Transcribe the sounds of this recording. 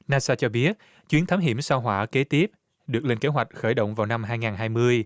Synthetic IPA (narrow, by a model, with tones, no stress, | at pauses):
naː˧saː˧t͡ɕɔ˧ɓi˦˥ət̚ | t͡ɕwi˨˦ənt̪ʰaː˦mɦḭ˧˩əmsaː˧wɦwaː˧˩ke˨˦t̪i˦˥əp̚ | ɗɨ˨˩ək̚le˧ŋke˨˦ɦwa˨˩jk̟̚xəː˧˩jɗo̰˧˨wŋ͡mvaː˨˩wna˧mɦaː˧jŋaː˨˩nɦaː˧jmɨ˧əj